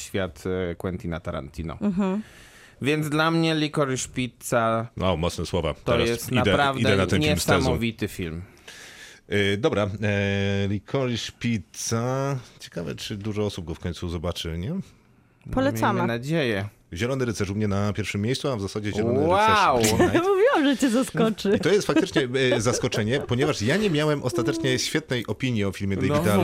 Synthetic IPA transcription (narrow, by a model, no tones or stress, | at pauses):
ɕfʲjat̪kwɛnt̪ʲina̰t̪aɾa̰nt̪ʰʲinɔ̰ɦ̩ | vʲjɛnd̪zd̪lamɲɛlʲikɔɾiʂpʲit̪sawʔawmɔt̪snɛswɔva̰t̪ɔɛɾajsɛst̪iad̪ɛpɾavdid̪ɛɛnat̪ɛnɲʲɛimsaɛzmɔvʲit̪ɘfʲilm | d̪ɔbɾa | lʲikʰɔɾiʂpʲit̪sat͡ɕɛ̥kavɛ̰t͡ʂɘd̪uʐɔɔsub̚ɡɔfkɔ̃ɲ̃ʲt̪suzɔbat͡ʂɘ̰ɲɛ | pɔlɛtmʲsamanad͡ʑejɛ | ʑɛlɔnɘɾɛt̪sɛʂumɲɛnapʲjɛɾfʂɘmʲːjejst̪suavzasad͡ʑɛʑɛlɔnwaɛwamuvʲiwamʐɛt͡ɕɛzaskɔt͡ʂɘit̪ɔjɛst̪fak̚t̪ɘt͡ʂɲɛzaskɔt͡ʂɛɲɛpɔɲɛvaʂjaɲɛmʲjawɛmʔɔst̪at̪ɛt͡ʂɲɛɕfʲjɛt̪̚nɛjʔɔpʲiɲjiɔfʲilmʲɛd̪ɛɡit̪al